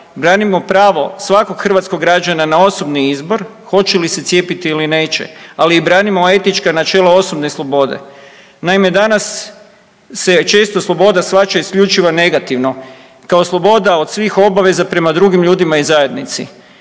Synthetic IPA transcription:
bɾaːnimo̞pɾaːʋo̞sʋako̞ɡxr̩ʋat̪skoɡːɾad͡ʒananao̞so̞bniizbo̞ɾ | xo̞t͡ʃelise̞t̪sje̞pit̪iːline̞ːt͡ʃe̞̰aliːbɾaːnimo̞e̞t̪it͡ʃkanat͡ʃe̞ːlˠao̞so̞bneslˠo̞bo̞d̪e̞̰ | naime̞d̪anasː | e̞t͡ʃe̞ːst̪o̞slˠo̞bo̞d̪asʋat͡ʃaiskʎut͡ʃiʋane̞ɡat̪iʋno̞ | kaoslˠo̞bo̞d̪ao̞d̪sʋixo̞baʋe̞zapɾe̞mad̪ɾuɡimʎuːd̪imaizaje̞d̪nit̪sḭ

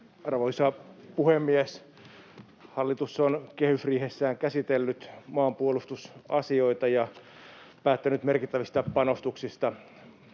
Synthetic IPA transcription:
ɑrʋoisɑpuhemːies | hɑlːit̪usːonkehysriːhesːæːŋkæsit̪elːyt̪mɑːmpuolust̪usɑsioit̪ɑjɑ | pæːt̪ːænyt̪merkit̪ːæʋist̪ɑpɑnost̪uksist̪ɑ

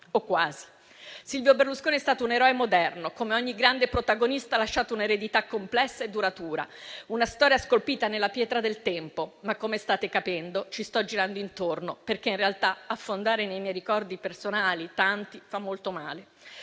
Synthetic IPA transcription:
okːwaːzi | silvjoberluskoːniɛst̪aːt̪ouneɾɔemod̪ɛrnokomeɔɲːiɡɾand̪epɾot̪aɡonist̪alaʃːaːt̪ouneɾed̪it̪akːomplɛsːaed̪ːuɾat̪uːɾa̰unast̪ɔːɾjaskolpiːt̪anelːapjɛːt̪ɾad̪elt̪ɛmpomakːomeɛst̪aːt̪ekapɛnd̪ot͡ʃist̪ɔd͡ʒiɾand̪oint̪ornoperkeinrealt̪aafːond̪aːɾenejmjɛjɾikɔrd̪ipersonaːlit̪ant̪ifamːolt̪omaːle

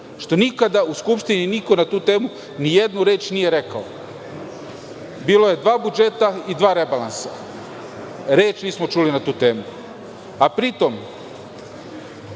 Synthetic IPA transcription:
ʃt̪o̞nikad̪auskupʃt̪ininiko̞nat̪uːt̪e̞ːmu | nije̞d̪nuɾe̞ːt͡ʃnije̞ɾe̞kao | biːlo̞je̞d̪ʋaːbud͡ʒe̞t̪aid̪ʋaːɾe̞balansa | ɾeːt͡ʃniːsmo̞t͡ʃuːlinat̪uːt̪e̞ːmu | apɾit̪o̞m

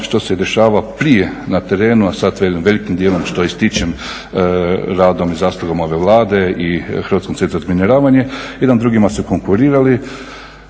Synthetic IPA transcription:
ʃt̪o̞sed̪e̞ʃaːʋapɾije | nat̪e̞ɾe̞ːnuasat̪ʋelimʋe̞likimd̪jeːlˠomʃt̪oist̪it͡ʃem | ɾaːd̪o̞mizaːslˠuɡomo̞ʋe̞ʋlˠaːd̪e̞ixɾʋat̪skomt̪set̪ozmineɾaːʋaɲe̞jed̪and̪ɾuɡimasuko̞ŋkuɾiːɾali

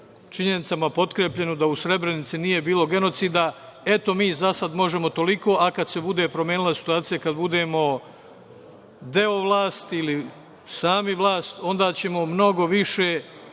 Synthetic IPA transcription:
t͡ʃiɲe̞nit̪samapo̞t̪kɾeːpʎe̞nod̪ausɾe̞bɾe̞nit̪sinije̞biːlˠo̞ɡe̞no̞t̪siːd̪a | e̞t̪o̞miːzasad̪mo̞ʒe̞mo̞t̪o̞liko̞ːʔakad̪se̞bud̪e̞pɾomjeːnilˠasi̥t̪uaːt̪sijakad̪bud̪e̞ːmo̞ | d̪e̞oʋlˠaːst̪ili | saːmiʋlˠaːst̪o̞nd̪aːt͡ɕe̞mo̞mno̞ɡo̞ʋiʃe̞

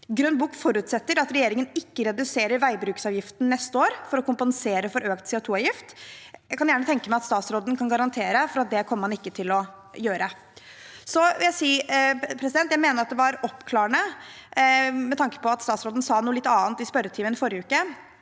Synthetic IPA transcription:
ɡɾœnbuːkfɔɾʉːt̪sɛt̪ːəɾɑt̪ɾɛjeːɾɪŋənɪkːəɾɛd̪ʉseːɾəɾʋæɪbɾʉːksɑːʋjɪft̪n̩nɛst̪əoːɾfɔɾɔkʊmpənseːɾəfɔɾøːkt̪sɛʊt̪ʰuːɑʋjɪft̪jæɪkɑnjæːɳət̪ʰɛŋkəmæɪɑt̪st̪ɑːt̪sɾoːd̪n̩kʰɑnɡɑɾɑnt̪ʰeːɾəfɔɾɑt̪̚d̪ɛkʰɔmːəɑnɪkːət̪ʰɪlɔ | jøːɾə | sɔɪljæɪsiːpʰɾɛsɪd̪ɛnt̪jæɪmeːnəɾɑt̪̚d̪ɛʋɑɾɔpːkʰlɑːəɳə | mɛt̪ʰɑŋkə̥pɔɑt̪st̪ɑːt̪sɾoːd̪n̩sɑːnuːəlɪt̪ːɑːnt̪ɪspœɾːət̪ʰiːmənfɔɾjəʉːkːə

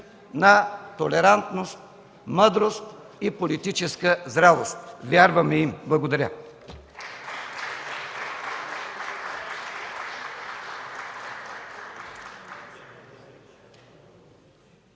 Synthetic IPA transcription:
nɐt̪olɛɾant̪nost̪ | məd̪ɾost̪ | ipolit̪it͡ʃɛskəzɾavost̪vʲjaɾvəmɛimblˠɐɡod̪ɐɾʲə

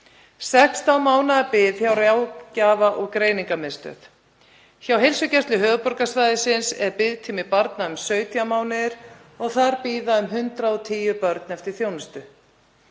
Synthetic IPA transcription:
sɛkst̪awmaːwnapɪðçjawrjawcaːvaʔɔɣkɾeːjniŋkamɪst̪œ̰θ | çawɦejlsʏcɛst̪lʏɦœːvʏpɔɾkasvaːjðɪsɪnsɛɾpɪðt̪ʰimɪpaɾt̪naʏmsœːɥt̪ʰiamaːwnɪɾ̥ | ɔɣθaɾpiːðaʏmɦʏnt̪ɾaɔt̪ʰiːjʏpœɾt̪nɛft̪ɪɾ̥θjownɪst̪ʏ

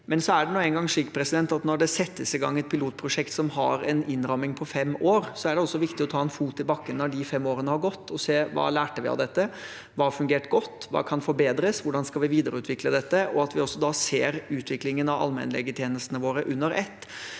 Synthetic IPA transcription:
mɛnsɔæɖɛnuːənɡɑŋʂiːkpʰɾɛsɪd̪ɛnt̪ɑt̪nɔɖɛsɛt̪ːəsɪɡɑ̰ŋːɛt̪̚pʰɪluːt̪̚pʰɾʊʂɛkt̪sɔmhɑ̰ɾɛ̰nɪnɾɑmːɪŋpʰɔfɛmːoːɾsɔæɖɛɔsːɔʋɪkt̪ɪɔt̪ʰɑːɛnfuːt̪ːɪlbɑkːənɑd̪ɪfɛmːoːɾənəhɑɾɡɔt̪ːɔseːʋɑ̰ːlæːʈəʋɪ̰ɑ̰ʋd̪ɛt̪ːə | ʋɑːfʉŋɡeːʈɡɔt̪ːʋɑ̰ːkʰɑnfɔɾbeːd̪ɾəsʋʊɖɑnskɑlʋɪʋiːd̪əɾəʉːt̪ʰʋɪkləd̪ɛt̪ːəʔɔɑt̪ʋɪɔsːɔd̪ɑseːɾʉːt̪ʰʋɪklɪŋənɑʋɑ̰lmɛ̰nlɛ̰ɡət̪ʰjeːnəst̪ənəʋoːɾəʔʉnːəɾɛt̪ː

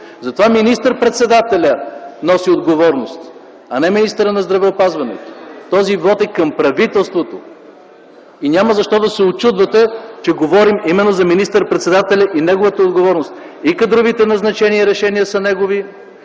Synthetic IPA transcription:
zɐt̪ovaminist̪əɾpɾɛt̪sɛd̪at̪ɛlʲənɔsiod̪ɡovɔɾnost̪ | ɐnɛminist̪əɾənɐzd̪ɾɐvɛopazvɐnɛ̰t̪o̥t̪ɔzivɔt̪ɛkɐmpɾɐvit̪ɛlˠst̪vot̪o | inʲaməzɐʃt̪ɔd̪ɐsɛot͡ʃud̪vɐt̪ɛt͡ʃɛɡovɔɾimimɛnːozɐminist̪əɾpɾɛt̪sɛd̪at̪ɛlʲɐʔinɛɡovət̪əod̪ɡovɔɾnost̪̚ | ikɐd̪ɾovit̪ɛnɐznɐt͡ʃɛniəɾɛʃɛnijəsɐnɛɡovi

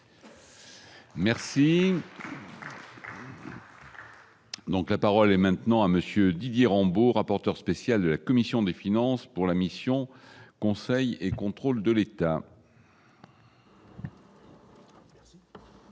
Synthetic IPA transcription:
mɛʁsi | d̪ɔ̃klapaʁɔlɛmɛ̃t̪nɑ̃aməsjød̪id̪jeʁɑ̃boʁapɔʁt̪œʁspesjald̪əlakɔmisjɔ̃d̪efinɑ̃spuʁlamisjɔ̃kɔ̃sɛjekɔ̃t̪χold̪əlet̪a

